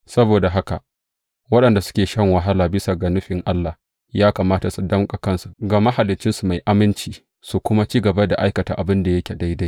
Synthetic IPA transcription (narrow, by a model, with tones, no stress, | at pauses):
sɐ˦boː˨da˨ɦa˦ka̰˨ | wɐ˦ɗɐ˨nda˨sʊ̥˦kʲeː˨ʃɐ˦ŋwɐ˨ɦa˦laː˨bɪ˦sa˨ɡa˨nʊ˦ɸɪ˨ŋʔa˦lːa˨ | jaː˦kaː˨maː˦ta˨su˨dɐ˦mkʼa˨kɐ˦nsu˨ɡa˨ma˦ha˨lɪ˨t͡ʃːɪ˦nsu˨ma˨jʔa˦mɪ˦nt͡ʃiː˦ | su˨kʷʊ˦ma˦t͡ʃiː˦ɡɐ˨ba˦da̰˨ʔa˦jkɐ˨ta̰ː˨ʔa˨bɪ˦nda˨jɐ˦kʲe˨da˦jda˦